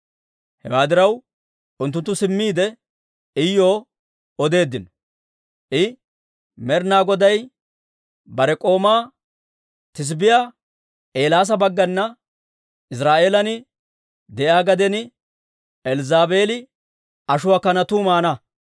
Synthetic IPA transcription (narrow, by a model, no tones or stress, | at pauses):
hɛ̰waːd̪ɪɾɐw | ʔʊnt̪̬ːʊnt̪ːʊsɪmːiːd̪ɛ | ɪjːo̞ː | ɔd̪e̞ːd̪ːɪnɔ̥ | ʔɪ | mɛɾnaːɡɔd̪ɐj | bɐɾɛkʼo̞ːmaː | t̪ɪs̬bɪjaː | ʔe̞ːlaːs̬ɐbɐɡːɐnːɐ | ɪs̬ɾaːʔe̞ːlɐnɪ | d̪ɛʔaːɡɐd̪ɛnɪ | ɛlzaːbe̞ːlɪ | ɐʃʊwaːkɐnɐt̪uːmaːnɐ